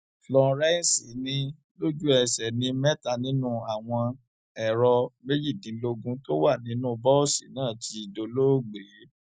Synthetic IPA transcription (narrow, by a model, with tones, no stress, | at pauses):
lɔ˧ɾɛ˦˨si˨˦nĩ˧ | lo˦d͡ʒu˦ɛ˨sɛ˨nĩ˧mɛ˦ta˧˨nĩ˦nũ˦a˨w̃ɔ̃˧ | ɛ˨ɾɔ˧me˦d͡ʒi˦˨dĩ˨˦lo˦ɡũ˦to˦wa˦˨nĩ˨˦nũ˦bɔ˦o˦˨sḭ˨˦nãː˦˨ti˧˨do˧lo˦˨ɡ͡be˨˦